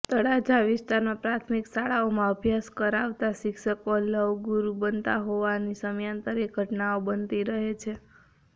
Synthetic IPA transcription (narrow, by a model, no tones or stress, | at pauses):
t̪əɽad͡ʒaʋɪst̪aɾnapɾat̪ʰmiksaɭaomãəbʱjaskəɾaʋt̪aʃɪkʃəkoləʋɡuɾubənt̪a̰ɦoʋanisəmjant̪əɾeɡʱəʈnaobənt̪iɾəɦet͡ʃʰe